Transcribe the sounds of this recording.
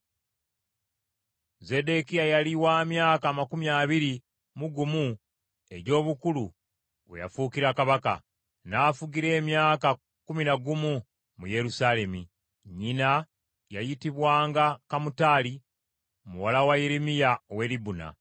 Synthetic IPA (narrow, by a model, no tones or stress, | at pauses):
ze̞de̞kijajaliwaːmjaːkaːmakumjaːβiɾi | muɡumu | e̞ɟo̞ːβukulu | weja̰fuːkiɾakaβaka̰ | naːfuɡiɾe̞ːmjaːka | kuminaɡumu | muje̞ɾusale̞mi | ɲina | jajitiβwaːŋɡakamutaːli | muwalawajeɾimijaowe̞ːlibuna̰